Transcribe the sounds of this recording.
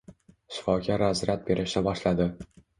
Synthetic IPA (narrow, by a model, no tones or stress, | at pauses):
ʃɪ̥fɒkʲaɾazɾat̪̚be̞ɾʔɪʃnɪbɒʃlad̪ɪ